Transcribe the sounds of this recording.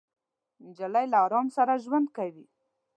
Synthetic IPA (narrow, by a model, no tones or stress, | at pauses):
d͡ʒalajlaɑɾɑmsaɾaʒwand̪kawi